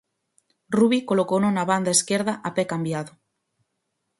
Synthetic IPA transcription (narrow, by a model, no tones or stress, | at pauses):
ruβikolokownonaβand̪aeskeɾðaʔapɛkambjaðo